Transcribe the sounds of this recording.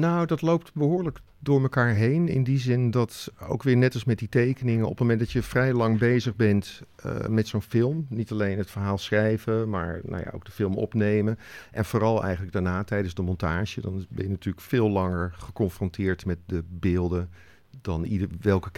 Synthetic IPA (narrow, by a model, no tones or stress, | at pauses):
nowdɑtlowp̚tbəɦʊːɹlək | dʊːɹməkaːɹɦejnɪ̰ndizɪndɑto̰wkʋɪːɹnɛtɑsmɛt̚ditejkənɪŋəɔpəmomɛndɑtjəvrɛjlɑŋbejzəχbɛnt | mɛtsownfɪlˠmnitɑlejnɦətfəɹɦaːlˠsχrɛjvəma̰ːɹno̰wja̰o̰wɡdəfɪlˠmɔ̰pnejməʔɛnvʊːrɑlˠɛ̰jχənləɡ̚daɹnaːtɛjdənzdəmɔntaːʒədɑnbɛ̰njənatyːɹləkfɪːlˠlɑŋəɹχəkɔnfrɔntɪːɹtmɛt̚dəbɪːlˠdə | dɑnidəʋɛlˠkə